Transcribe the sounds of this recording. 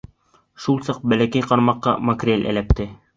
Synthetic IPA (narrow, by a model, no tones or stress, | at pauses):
ʃulˠsɑq̚bælækæjqɑɾmɑqːɑ̰mɐkrʲelʔæ̰læp̚t̪ɘ